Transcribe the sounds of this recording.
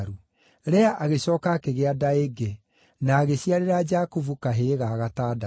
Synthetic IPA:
ɾu | ɾɛaʔaɣeɕɔːkakeɣeadaeɡe | naːɣeɕiaɾeɾad͡ʒakovukaɦeɣaɣataːda

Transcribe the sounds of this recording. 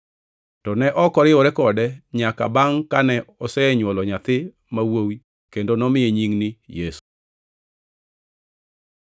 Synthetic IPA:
tɔnɛʔɔkɔɾɪɔɾɛkɔdɛɲaka̰baŋkanɛɔsɛɲwɔlɔɲat̪ɪ | mawowi | kendonɔmɪeɲiŋnijesu̥

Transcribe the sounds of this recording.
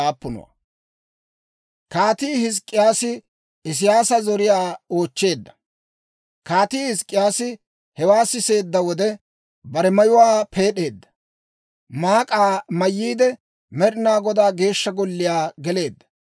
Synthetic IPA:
aːpːʊnɔ̰wa̰ | kaːt̪iːhɪs̬kʼːɪjaːsɪ | ɪs̬ɪjaːsɐzɔɾɪjaːoːt͡ʃːe̞ːd̪ːɐ̥ | kaːt̪iːhɪskʼːɪjaːsɪ | hɛwaːsɪse̞ːd̪ːɐwɔd̪ɛ | bɐɾɛmɐjʊwaːpʰe̞ːɗe̞ːd̪ːɐ̥ | maːkʼaːmɐjːiːd̪ɛ | mɛɾɪnaːɡɔd̪aːɡe̞ːʃːɐɡɔlːɪjaːɡɛle̞ːd̪ːɐ̥

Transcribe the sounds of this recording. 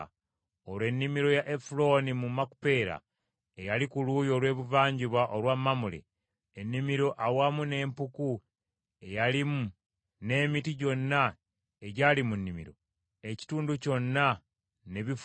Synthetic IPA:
olwe̞nːimiɾo̞jaʔefulo̞ːnimumːaku̥pe̞ːɾa̰ | ejalikuluːjo̞ːlwe̞ːβuvaːɲɟiβaʔolwamːamulḛː | nːimiɾo̞ʔawamune̞ːmpuku | e̞jalimu | ne̞ːmitiɟo̞nːa | eɟaːlimunːimḭɾo̞̰ | eci̥tuːnduco̞nːa | neβif

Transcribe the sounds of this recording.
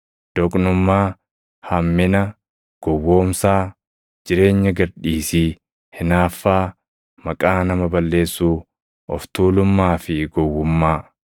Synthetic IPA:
d̪̥ɔkʼnʊmːaː | hɐmːɪnɐ | ɡ̥ɔwːo̞ːmsaː | d͡ʒɪɾe̞ːɲːɐɡɐɾᶑiːsiː | hɪnaːfːaː | mɐkʼaːnɐmɐbɐlːe̞ːsːuː | ɔ̰ft̪uːlʊmːaːfɪɡɔwːʊmːaː

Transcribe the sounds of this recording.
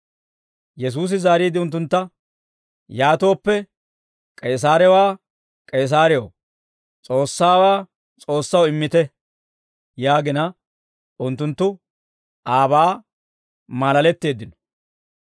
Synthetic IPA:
jɛs̬uːs̬ɪzaːɾiːd̪ɪʊnt̪ːʊnt̪ːɐ | jaːt̪o̞ːpːɛ | kʼeːs̬aːɾɛwaː | kʼeːs̬aːɾɛjo̰ | t͡sʼo̞ːsːaːwaː | t͡sʼo̞ːsːɐwɪmːɪt̪ɛ | jaːɡɪnɐ | ʊnt̪ːʊnt̪ːʊ | ʔaːbaː | maːlɐlɛt̪ːe̞ːd̪ːɪnɔ̥

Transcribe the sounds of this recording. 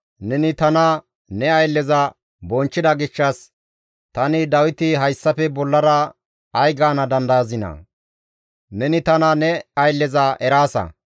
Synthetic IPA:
nɛnɪt̪ɐnɐ | nɛɐjlːɛzɐ | bɔnt͡ʃːɪd̪ɐɡɪʃːɐs | t̪ɐnɪd̪ɐwɪt̪ɪɦɐjsːɐfɛbɔlːɐɾɐː | jɡaːnɐd̪ɐnd̪ɐjɐzɪnɐ̰ | nɛnɪt̪ɐnɐnɛɐjlːɛzɐʔɛɾaːsɐ̰

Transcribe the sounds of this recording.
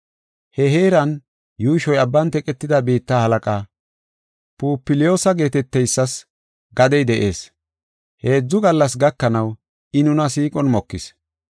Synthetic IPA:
hɛɦe̞ːɾɐn | juːʃɔjɐbːɐnt̪ɛkʼɛt̪ːɪd̪ɐbiːt̪ːahɐlɐkʼaː | puːpːɪlɪjo̞ːsɐɡe̞ːt̪ɛt̪ːɛjsːɐs | ɡɐd̪ɛjd̪ɛʔe̞ːs | he̞ːd͡zːʊɡɐlːɐsɡɐkːɐnɐw | ɪnʊnɐs̬iːkʼɔnmɔkːɪs

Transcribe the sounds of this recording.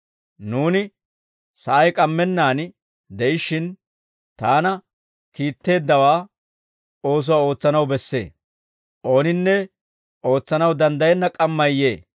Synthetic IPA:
nuːnɪ | sɐʔɐjkʼɐmːɛnːaːn | d̪ɛʔɪʃːɪn | t̪aːnɐ | kiːt̪ːe̞ːd̪ːɐwaː | o̞ːs̬ʊwaːo̞ːt͡sːɐnɐwbɛsːe̞̰ː | ʔo̞ːnɪnːɛ | ʔo̞ːt͡sːɐnɐwd̪ɐnd̪ɐjɛnːɐkʼɐmːɐjːeː

